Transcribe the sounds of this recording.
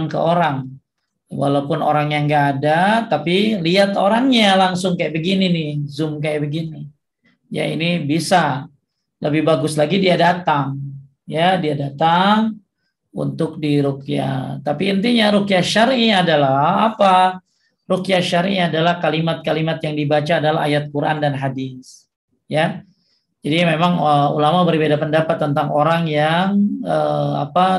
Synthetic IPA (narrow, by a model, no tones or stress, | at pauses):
ŋkə̰oɾaŋ | wa̰lawpʊno̰ɾaŋjaŋɡaːdat̪apiliat̪oɾaŋɲalaŋsʊŋkajaʔbəɡininɪzʊmkajaʔbəɡini | ja̰ḭnibisa | ləbɪhbaɡʊslaɡidiadat̪aŋ | jadiadat̪aŋ | ṵnt̪ʊk̚diɾukia̰t̪apiːnt̪iɲaɾukiaʃaɾiadalahapa | rukiaʃaɾʔḭadalahkalimat̪̚kalimat̪jaŋdibat͡ʃaːdalaɦa̰jat̪̚kuɾʔa̰ndanɦadɪθ | ja | d͡ʒadimemaŋəṵlamabərbedapəndapat̪ːənt̪aŋoɾaŋjaŋəa̰pa